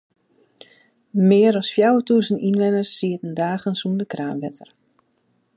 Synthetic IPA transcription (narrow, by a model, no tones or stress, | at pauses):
mɪːəɾɔsfjawətuːsəninʋɛnərsːiətən̩daːɣənsundəkraːnʋɛtʰər